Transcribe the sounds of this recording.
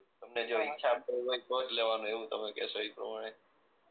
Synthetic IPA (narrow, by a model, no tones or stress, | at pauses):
t̪əmned͡ʒoikːt͡ʃʰamkəɾɦoikɔd͡ʒleʋanũeʋũt̪əmekɛ̰soipɾə̰maɽ̃e